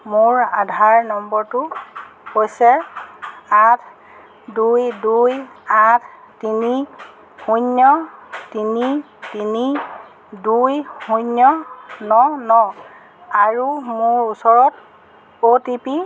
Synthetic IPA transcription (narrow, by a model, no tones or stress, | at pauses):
mʊɹadʱaɹnɔmbɔɹtʊhojsɛ | atʰ | dujdujatʰ | tini | hunjɔtini | tini | dujhunjɔnɔnɔ | aɹumʊɹusɔɹɔt | otipi